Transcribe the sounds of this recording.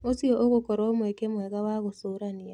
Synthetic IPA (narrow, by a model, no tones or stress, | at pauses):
osiɔʔoɣokɔɾɔmwɛkemwɛɣawaɣosoɾania